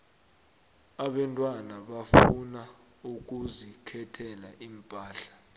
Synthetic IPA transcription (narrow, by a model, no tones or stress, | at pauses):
aɓɛntʼwanaɓafuna | uk̬ʼuzikʰɛtʰɛla̰ʔiːmpʼaːɬḁ